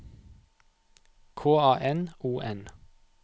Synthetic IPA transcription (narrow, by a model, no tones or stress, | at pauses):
kʰoːɑːʔɛnuːʔɛn